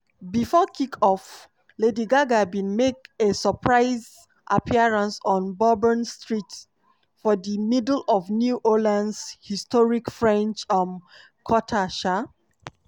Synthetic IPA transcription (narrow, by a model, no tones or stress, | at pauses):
bifɔkʰikʰɔf | lediɡaɡabĩnmekesəpʰɹaɪz | ʔapʰiaɹãnsɔ̃nbɔbənstɹit | fɔdəmidl̩ɔvnjuʔolãndshistɔɹikfɹɛ̃nt͡ʃãn | kʰɔtʰaʃa